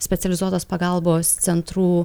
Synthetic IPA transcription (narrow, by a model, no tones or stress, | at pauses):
sʲpʲɛt̪sʲɛlʲɪzuɔt̪oːspɐɡɐlˠboːssʲɛnt̪ɾuː